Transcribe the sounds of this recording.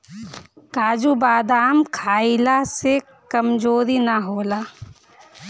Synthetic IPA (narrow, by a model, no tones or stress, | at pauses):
kaːd͡ʒubaːd̪aːmkʰaːilase | kəmd͡ʒoːɾinaɦoːlaː